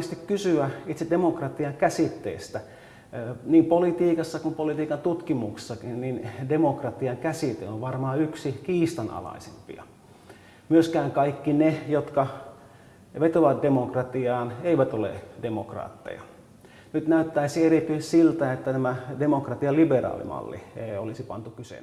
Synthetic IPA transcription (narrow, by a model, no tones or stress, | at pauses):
est̪ikkysyæit̪sedemokrɑt̪iɑŋkæsit̪ːḛːst̪æ | niːmpolit̪iːkɑsːɑkumpolit̪iːkɑnt̪ut̪kimukse̥sːɑkinnindemokrɑt̪iɑŋkæsit̪ḛoʋʋɑrmɑːyksikiːst̪ɑnɑ̰lɑ̰isempḭɑ̰ | myøskæːŋkɑikːinejot̪kɑ | ʋet̪oʋɑt̪̚demokrɑt̪iɑːneiʋæt̪olḛdemokrɑ̰ːt̪ːḛjɑ̰ | nyt̪næyt̪ːæisierit̪yessilt̪æet̪ːænæmædemokrɑt̪iɑliberɑ̰ːlḭmɑ̰lːḭeiolisipɑ̰nt̪ukysḛn